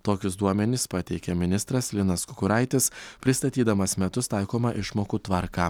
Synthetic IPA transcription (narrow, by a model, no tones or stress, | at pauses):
t̪oːkʲʊsd̪uɔmʲɛnʲɪspɑt̪ʲɛɪkʲɛmʲɪnʲɪst̪ɾɐslʲɪnɐskʊkʊɾɑɪt̪ʲɪspʲɾʲɪst̪ɐt̪ʲiːd̪ɐmɐsmʲɛt̪ʊst̪ɑɪkoːmɐʔɪʃmoːkuːt̪ʋɐɾkɑː